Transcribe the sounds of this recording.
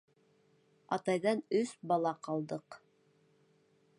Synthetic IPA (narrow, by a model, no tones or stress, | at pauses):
ɑt̪ɑjðɑnɵsbɑlˠɑqɑlˠd̪ɤq